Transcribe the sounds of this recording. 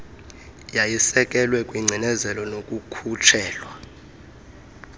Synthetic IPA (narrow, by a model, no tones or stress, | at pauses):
jajisɛk̬ʼɛlwɛkʼwiŋ͡ǀʱinɛzɛlɔnokʼukʰut͡ʃʰɛːlwa